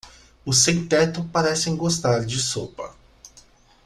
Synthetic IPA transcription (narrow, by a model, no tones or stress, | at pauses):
ʊsẽwt̪ɛt̪ʊpaɾɛsẽj̃ɡost̪aɾd͡ʒɪsopɐ̰